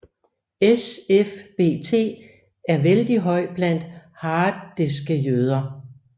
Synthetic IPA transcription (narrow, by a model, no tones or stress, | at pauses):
esefb̥e̝̰ːt͡sʰe̝̰ː | æɐʋeld̥iɦɒ̽ɪ̰b̥læn̰d̥hɑ̈ːdesɡ̥əjøð̞ˠɐ